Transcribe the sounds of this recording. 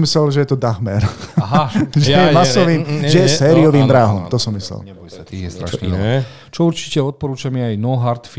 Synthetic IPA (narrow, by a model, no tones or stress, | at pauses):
mislɛlʒɛjɛt̪ɔd̪axmɛɾɦʒɛjɛmasɔʋiːmʒɛjɛsɛːɾiɔʋiːmbɾaːɦɔmt̪ɔsɔmːislɛ̰lɲɛjsat̪iɛst̪ɾa̰ | t͡ʃɔuɾt͡ʃi̥cɛɔt̪̚pɔɾuːt͡ʃamiajnɔɦaɾt̪f